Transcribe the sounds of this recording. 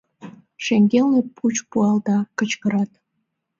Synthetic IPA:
ʃeŋɡʲelnepʰut͡ɕpuɑld̪ɑkət͡ɕkəɾɑt̪

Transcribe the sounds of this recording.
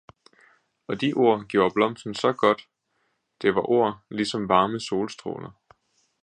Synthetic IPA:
ɒ̽d̥iʔo̝ɐ̰ɡ̥jo̝ɐb̥lɒ̽m̰sn̩sɒ̽ɡ̥ɒ̽d̥ | d̥e̝ʋɑ̈ʔo̝ɐ̰lisɒ̽mʋɑ̈ːməso̝ːlsd̥ʁo̝̰ːnɐ

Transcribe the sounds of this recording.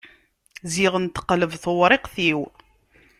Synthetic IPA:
ziʁənt̪ə̥qləvθəwɾˤɪqθiw

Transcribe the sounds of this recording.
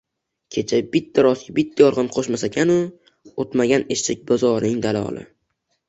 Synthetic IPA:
kʲʰe̞t͡ʃʰabɪt̪ʰːaɾɒskʲabɪt̪ʰːajɒɾʁɨnqʰoʃmasakʲʰanʊ | ot̪maɡʲaneʃt͡ʃʰɪk̚ʲbazɒɾnɪŋd̪alɒ̰lˠɪ̰

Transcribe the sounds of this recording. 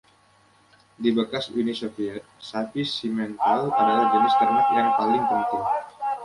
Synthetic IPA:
dibəkasunisofiɛt̪̚sapisimɛnt̪alʔadalahd͡ʒənɪst̪ərnak̪̚jaŋpalɪŋpənt̪ɪŋ

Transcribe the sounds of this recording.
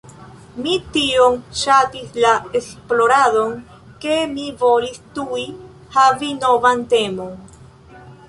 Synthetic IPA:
mitio̞mʃatislaesplo̞ɾado̞n | ke̞mivo̞listui | havino̞vante̞mo̞n

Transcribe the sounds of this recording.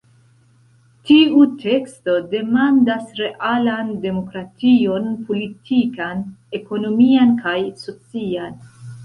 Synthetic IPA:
tiutʰe̞ksto̞de̞mandasɾe̞ʔalande̞mo̞kɾatio̞npʰo̞litʰikane̞ko̞no̞miankajso̞t͡sian

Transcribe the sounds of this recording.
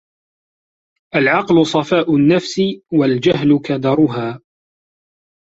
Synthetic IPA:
ʔalʕɑqlʊsˤɑfaːʔʊnːafsɪwald͡ʒaɦlʊkad̪ɑɾˤʊɦaː

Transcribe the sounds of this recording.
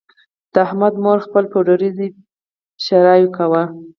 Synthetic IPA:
d̪̥əahmad̪moɾxpəlpoɖoɾizi | ʃaɾɑjokawa

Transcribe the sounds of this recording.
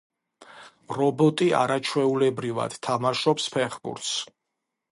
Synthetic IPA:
ɾɔbɔt̪ʼia̰ɾat͡ʃʰwɛulɛbɾiva̰d̪̥t̪ʰːamaʃɔpspʰɛχbṵɾt̪s

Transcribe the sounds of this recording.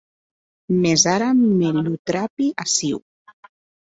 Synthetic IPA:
mezaɾameʎut̪ɾapiʔasiw

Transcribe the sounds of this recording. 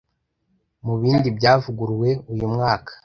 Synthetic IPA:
muβiːndibɟaːvuɡuɾwe̞ujumŋaːkḁ

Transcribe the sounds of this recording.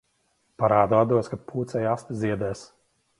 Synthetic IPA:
paɾaːd̪ad̪uɔskat̪̚pʰuːt̪sɛjast̪zʲiɛd̪ɛːs

